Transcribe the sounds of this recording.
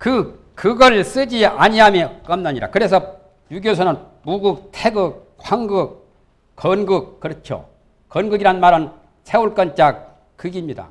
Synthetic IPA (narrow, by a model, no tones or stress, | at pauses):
kɯ | kɯɡʌɭs͈ɯd͡ʑiaɲiɦamjek͈ʌmnaɲiɾa̰kɯɾe̞sʰʌ | juɡjos̬ʰʌnɯn | muɡuk̚tʰeɡɯk̚ | kʰwaŋɡɯk̚ | kʌnɡɯk̚k͈ɯɾʌt͡ɕʰjo̰ | kʌnɡɯɡiɾanmaɾɯn | sʰeuɭk͈ʌnt͡ɕ͈ak̚ | k͈ɯɡimɲida̰